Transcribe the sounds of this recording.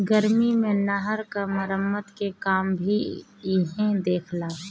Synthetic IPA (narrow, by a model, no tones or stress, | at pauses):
ɡəɾmimẽnɐɦəɾkaməɾəmːət̪kekaːmbʱi | ɪɦɛ̃d̪eːkʰlaː